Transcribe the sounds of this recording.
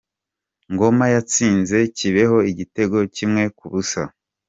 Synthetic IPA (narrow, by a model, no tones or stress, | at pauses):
ŋɡo̞majat͡siːnze̞ciβe̞ho̞iɟite̞ɡo̞cimŋe̞kuβusa